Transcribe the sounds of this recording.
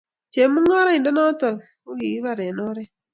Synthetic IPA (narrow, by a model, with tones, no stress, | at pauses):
t͡ʃe˨mu˦ŋɔ˦ɾɔ˦ɪ˨ndɔ˦nɔ˦tɔ˨ | o˦ɡi˨ɡi˦βa˨ɾɛ˨nɔ˦ɾɛ˦